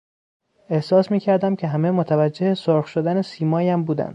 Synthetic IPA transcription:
e̞hsɒːsmiːcʰæɾd̪æmcʲʰe̞ɦæme̞mot̪ʰævæd͡ʒːe̞hesoɾxʃod̪ænesiːmɒːjæmbuːd̪æ̰nd̪̥

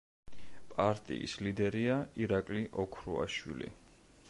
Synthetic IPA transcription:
pʼaɾt̪ʼḭḭslid̪ɛɾiaiɾakʼliʔɔkʰɾua̰ʃwḭlḭ

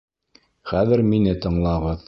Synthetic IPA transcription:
χæðɘɾminɘt̪ɤ̆ɴlˠɑʁɤð

